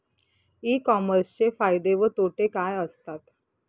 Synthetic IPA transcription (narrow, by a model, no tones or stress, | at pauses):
iːkɔməɾst͡ɕefajd̪eʋət̪oʈekajəst̪at̪